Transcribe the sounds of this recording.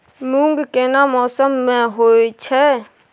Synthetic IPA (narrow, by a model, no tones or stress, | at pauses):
mũŋɡkeːnaːmɔːsəmːɛ̃ɦoːit͡ʃʰɛ